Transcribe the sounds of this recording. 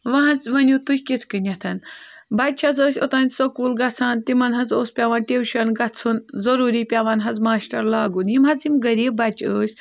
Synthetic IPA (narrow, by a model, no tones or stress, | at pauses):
ʋɐɦɐnt͡sʋɐnʲut̪ukʲkit̪ʰkɨnʲɐt̪ʰɐnbɐt͡ʃʰɐt͡səːsʲo̰t̪aːnʲsɐkuːlɡɐt͡sʰaːnt̪imɐnɦɐt͡soːspʲaʋaːnʈʲewʃɐnɡɐt͡sʰunzɐɾuːɾiːpʲaʋanɦɐd͡zmaːsʈɐɾlaːɡunjimɦɐt͡simɡɐɾiːb̚bɐt͡ʃʰəːsʲ